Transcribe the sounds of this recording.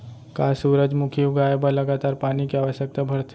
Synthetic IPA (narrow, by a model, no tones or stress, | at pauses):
kaːsuːɾəd͡ʒmʊkʰiʊɡaːebaləɡaːt̪aːɾpaːnikeaːʋəʃjək̚t̪abʱɐɾt̪ʰ